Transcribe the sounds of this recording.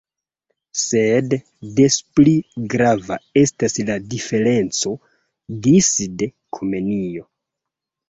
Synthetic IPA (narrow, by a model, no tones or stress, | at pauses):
se̞dː | espliɡɾava̰e̞stasladife̞ɾe̞nt͡so̞ | disde | kʰome̞nio̞